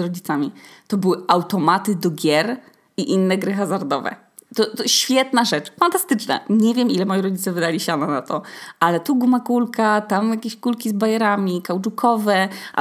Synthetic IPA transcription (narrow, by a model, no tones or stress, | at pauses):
ɾɔd͡ʑit̪samʲit̪ɔbɘwɘawt̪ɔmat̪ɘd̪ɔɡʲjɛɾ | iʔinːɛɡɾɘxazaɾd̪ɔvɛ̰ | t̪ɔt̪ɔɕfʲjɛt̪naʐɛt͡ʂfant̪ast̪ɘt͡ʂna̰ɲɛvʲjɛmʔilɛmɔjiɾɔd͡ʑit̪sɛvɘd̪alʲiɕananat̪ɔʔalɛt̪uɡumakulkat̪amjakʲeɕkulkʲizbajɛɾamʲikawt͡ʂukʰɔvɛʔa̰